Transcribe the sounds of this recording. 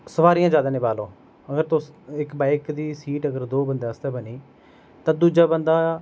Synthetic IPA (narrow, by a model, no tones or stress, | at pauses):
səʋaːɾijãːd͡ʒaːd̪aːnɪbaːloː | əɡəɾt̪ʊsɪkbaːɪkd̪iːsiːʈəɡəɾd̪oːbənd̪eːəst̪ɛːbəniː | t̪ãːd̪uːd͡ʒaːbənd̪aː